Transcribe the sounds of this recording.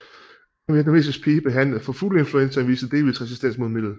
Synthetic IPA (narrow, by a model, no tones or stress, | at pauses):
ʋiæd̥eme̝̰sispʰiːb̥e̝ɦæn̰lð̩ˠfɒ̽fule̝nfluensɐʋḭːsəd̥e̝ːʋisʁɛsisd̥en̰smo̝ðˠme̝d̥ð̩ˠ